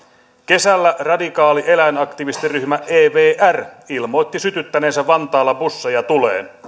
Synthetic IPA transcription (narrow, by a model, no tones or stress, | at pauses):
ke̞sælːærɑdikɑːliʔe̞læenɑkt̪iʋist̪iryhmæʔeːʋeːʔærilmo̞jt̪ːisyt̪yt̪ːæne̞ːnsæʋʋːɑnt̪ɑːlːɑbusːejɑt̪ulḛːn